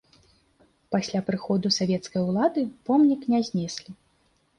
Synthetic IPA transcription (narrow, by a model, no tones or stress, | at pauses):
pasʲlʲapɾɨxɔd̪usavʲɛt̪skɐjwlˠad̪ɨpɔmnʲiknʲɛzʲnʲɛsʲlʲi